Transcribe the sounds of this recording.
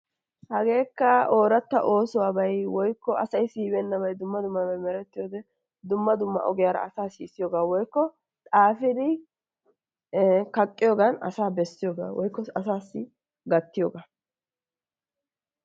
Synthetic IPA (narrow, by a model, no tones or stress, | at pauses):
hɐɡe̞ːkːɐo̞ːɾɐt̪ːɐ̰ʔo̞ːsʊwaːbɐjwɔjkːɔʔɐsɐjsiːbɛnːɐβɐjd̪ʊmːɐd̪ʊmːɐbɐjmɛɾɛt̪ːɪjoːd̪ɛ | d̪ʊmːɐd̪ʊmːɐ̰ʔɔɡɪjaːɾɐ̰ɐsaːsḭːsɪjoːɡaːwɔjkːɔ | t̪ʼaːfɪd̪ɪ | kɐkʼːɪjoːɡɐnɐ̰saːbɛsːɪjoːɡa̰ːwɔjkːɔɐsaːsːɪ | ɡɐt̪ːɪjoːɡaː